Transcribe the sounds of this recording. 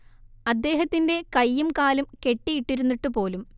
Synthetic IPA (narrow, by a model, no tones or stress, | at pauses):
ɐd̪ːe̞ːɦɐt̪ːinde̞kɐjːumkaːlumke̞ʈːijiʈːiɾunːiʈːupo̞ːlum